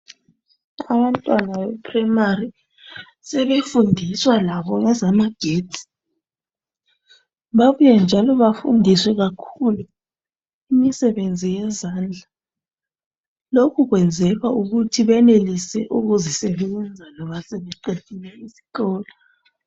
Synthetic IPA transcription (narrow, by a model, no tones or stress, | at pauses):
aβantʼwanawɛpʰrɛmari | sɛβefundʱiswalaβɔŋɛzamaɡ̥ʱeːti̥ | βaβujɛnd͡ʒʱalɔβafṵndʱiswɛɣakʰulu | imisɛβend͡zʱijɛzaːnd͡ɮʱa | lokʰuɣwɛnd͡zʱɛɣauɣutʰiβɛnelisɛʔuɣuzisɛβɛɛnd͡zʱalɔβasɛβɛǃetʰʼilɛisi̥ɣɔːlɔ